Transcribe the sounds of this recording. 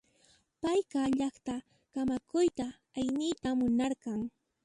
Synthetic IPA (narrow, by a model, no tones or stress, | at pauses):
pajkɑʎɑχt̪a | kamakʊjt̪a | ajnɪjt̪amːʊnaɾɢɑŋ